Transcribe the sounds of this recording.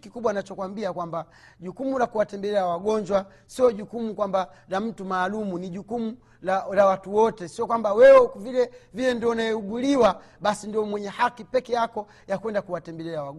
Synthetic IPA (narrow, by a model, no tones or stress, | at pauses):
kikuɓwanat͡ʃɔkwambiakwamba | ʄukumulakuwatɛmbɛlɛɾawaɡɔɲd͡ʒwa | siɔʄukumukwamba | lam̩tumaːlumuniʄukumu | lalawatuwɔtɛsiɔkwambawɛwɛkvilɛvilɛndiɔnaɛuɡuliwa | ɓasindiɔmwɛɲɛhakipɛkɛjakɔ | jakwɛndakuwatɛmbɛlɛɾawa